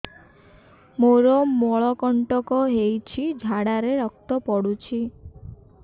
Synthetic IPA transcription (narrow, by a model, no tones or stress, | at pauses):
moɾɔmɔɭɔkɔɳʈɔkɔɦejt͡ʃʰid͡ʒʱaɽaɾeɾɔk̚t̪ɔpɔɽut͡ʃʰi